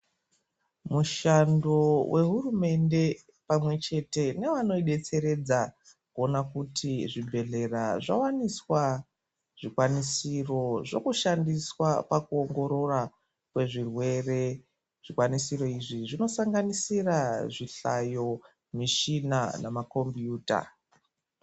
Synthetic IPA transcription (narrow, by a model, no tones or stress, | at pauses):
muʃando̞wʔe̞ɦurume̞nde̞ | pamwe̞t͡ʃe̞te̞ne̞ʋano̞iɗe̞t͡se̞ɾe̞d͡za | kuo̞nakutʰiʐibʱe̞ɮe̞raʐa̰waniswa | ʐ̥ikwanisiro̞ʐo̞̰kuʃandiswapakuoŋɡo̞ɾo̞ra | kwe̞ʐirwe̞re̞ | ʐ̥ikwanisiɾo̞iʐiʐino̞saŋɡanisiraʐiɬa̰jo̞ | miʃinanamako̞mbjuːta̰